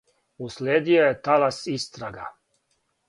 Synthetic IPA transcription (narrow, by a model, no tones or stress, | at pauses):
usleːd̪iojet̪alasist̪ɾaɡa̰